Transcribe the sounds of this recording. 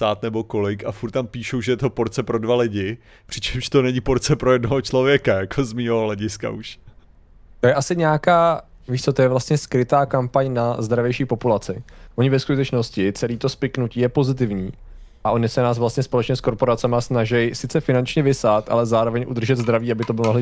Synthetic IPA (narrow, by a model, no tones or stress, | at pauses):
saːt̪nɛbo̞ko̞lɪkafuɾt̪t̪ːampiːʃowʒɛjɛt̪opoɾt͡sɛpɾodvalɪɟɪ | pr̥ɪt͡ʃɛmʃt̪o̞nɛɲɪpoɾt͡sɛpɾojɛdnoɦot͡ʃlo̞vjɛkajakʰozmiːɦoɦlɛɟɪska̰ʔuʃ | t̪ojɛʔasɪɲɛakaː | viːʃt͡sot̪ojɛvlast̪ɲɛskɾɪt̪aːkampaɲnazd̪ɾavjɛjʃiːpo̞pulat͡sɪʔo̞ɲɪvɛskut̪ɛt͡ʃno̞scɪt͡sɛliːt̪o̞spɪknuciːjɛpo̞zɪt̪̬ɪvɲiː | ʔaʔo̞nɪsɛnaːs̬vlast̪ɲɛspo̞lɛt͡ʃɲɛsko̞ɾpo̞ɾat͡sɛmasnaʒɛjsɪt͡sɛfɪnant͡ʃɲɛvɪsat̪ʔa̰lɛzaːɾovɛɲʔud̪r̩ʒɛd̪zd̪ɾaviːabɪt̪obɪlmoɦlɪ